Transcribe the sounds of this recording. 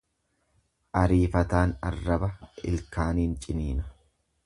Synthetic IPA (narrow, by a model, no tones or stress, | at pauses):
ʔɐɾiːfɐt̪aːnɐ̰rːɐbɐɪ̰lkaːniːnt͡ʃʼɪniːnɐ̥